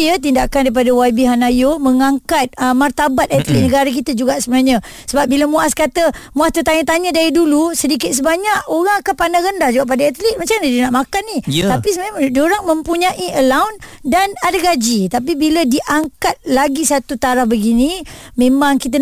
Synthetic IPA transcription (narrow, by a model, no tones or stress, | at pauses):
ət̪̬indaʔkandaip̬adawajbiɦanajoməŋaŋkat̪̚əmart̪abat̪ɛt̪liʔ̪̚nəɡaɾak̬it̪əd͡ʒuɡaʔsəbənaɲə | səbap̚biləmuaskat̪əmuast̪ət̪aɲət̪aɲədaidulusədikɪt̪̚səbaɲaʔoɾaŋakanpanahɾəndahd͡ʒuɡaʔpadaat̪lit̪̚mat͡ʃaŋdadinaʔmakanːiapisəmmdoɾaŋməmpuɲaʔiʔəlawndanadaɡad͡ʒit̪ap̬ibilədiʔaŋkat̪̚laɡisat̪ut̪aɾahbəɡinimẽmaŋkit̪̬ə